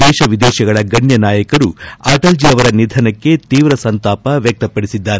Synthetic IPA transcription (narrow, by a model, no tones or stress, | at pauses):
d̪ɛːʃɐʋid̪ɛːʃɐɡɐɭɐɡɐɳjɐnaːjɐkɐɾuaːʈɐld͡ʒiɐʋɐɾɐnid̪ʱɐnɐkːe̞t̪iːʋɾɐsɐnt̪aːpɐʋjɐk̚t̪ɐpːɐɽisid̪ːaːɾe